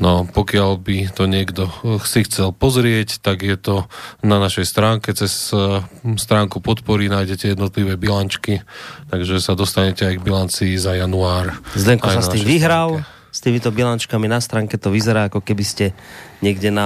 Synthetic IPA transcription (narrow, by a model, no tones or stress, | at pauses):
nɔpɔkɪalbit̪ɔɲɪɛɡd̪ɔsixt͡sɛlpɔzɾɪɛct̪aɡjɛt̪ɔnanaʃɛjst̪ɾaːŋkɛt͡sɛs | st̪ɾaːŋkupɔt̪pɔɾinaːjɟɛcɛjɛd̪nɔt̪liʋɛːbilant͡ʃkit̪aɡʒɛsad̪ɔst̪aɲɛcɛajɡbilant͡siːzajanuaːɾzlɛŋkɔasjat̪imʋiɦɾal | st̪iːmit̪ɔbilant͡ʃkaminast̪ɾaːŋkɛt̪ɔʋizɛɾaːakɔkɛbiscɛɲɪɛɡɟɛna